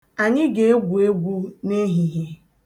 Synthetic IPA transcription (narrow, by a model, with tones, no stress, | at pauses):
a˨ɲɪ˦ɡe˨e˦ɡʷu˨e˦ɡʷu˦ne˦ɦi˨ɦe˦